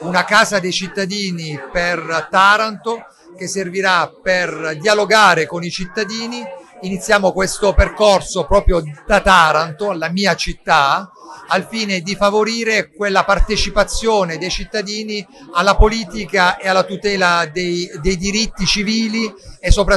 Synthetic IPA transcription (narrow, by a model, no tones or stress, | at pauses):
unakaːzad̪ejt͡ʃit̪ːad̪iːnipert̪aɾant̪o | k̟esːerviɾaperd̪ialoɡaːɾekonit͡ʃit̪ːad̪iːniːnit̪sːjaːmokwest̪operkorsopɾɔːpɾjod̪̥at̪aːɾant̪oalːamiːat͡ʃit̪ːaalfiːned̪ifavoɾiːɾekwelːapart̪et͡ʃipat̪sːjoːned̪ejt͡ʃit̪ːad̪iːnialːapoliːt̪ikaealːat̪ut̪ɛːlad̪ejd̪ejd̪iɾit̪ːit͡ʃiviːliɛsːopɾa